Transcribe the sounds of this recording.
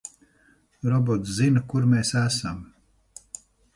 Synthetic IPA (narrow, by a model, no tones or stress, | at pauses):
ɾɔbɔt̪szinɐkuɾmeːsæsam